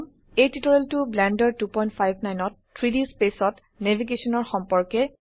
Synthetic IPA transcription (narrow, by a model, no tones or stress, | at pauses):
m | ejtitɔɹeltʊblɛndɔɹtupɔjntpʰajbʱnajnɔtːʰ | ɹidispesɔt | nebʱiɡesɔnɔɹxɔmpɔɹkɛ